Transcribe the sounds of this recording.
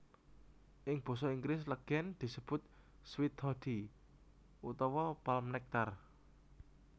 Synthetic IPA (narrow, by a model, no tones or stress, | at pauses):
ʔɪŋb̥ɔ̤sɔiŋɡlɪs̬ləɡ̥ɛnd̪̥i̤səb̥ʊ̤t̪̚ | swit̪hɔd̪̥i | ut̪ɔwɔpalmnɛk̚t̪ar